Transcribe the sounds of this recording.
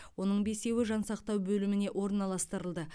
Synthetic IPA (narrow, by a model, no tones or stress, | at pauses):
wo̞nəɴbe̞se̞wɪʒɑnsɑqt̪ɑwbɵlɪmɪne̞ʔwo̞ɾənɑlˠɑst̪əɾəlˠd̪ə